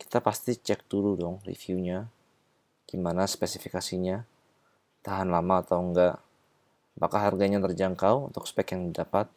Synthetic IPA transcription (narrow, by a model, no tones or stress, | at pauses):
ki̥t̪apast̪it͡ʃɛk̚duludɔŋrḭfiuɲa | ɡ̥imanaspesifikasiɲa | t̪aɦanlamaːt̪awŋɡaʔ | bakaɦarɡaɲat̪ərd͡ʒaŋkawṵnt̪ʊkspɛkjaŋdidapat̪̚